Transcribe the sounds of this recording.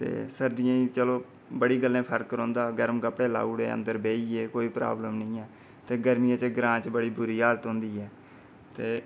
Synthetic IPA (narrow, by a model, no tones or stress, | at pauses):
t̪ḛːsəɾd̪ɪjãːĩːt͡ʃəloː | bəɽiːɡəlːẽːpʰəɾkɾõːnd̪aːɡəɾəmkəpɽeːla̰ːuːɽḛːə̰̃nd̪əɾbeːiːeːkoːiːpɾa̰ːbləmnĩːɛː | t̪eːɡəɾmɪjãːt͡ʃɡɾãːt͡ʃbəɽiːbʊɾiːaːlət̪ɦʊ̃nd̪iːɛː | t̪eː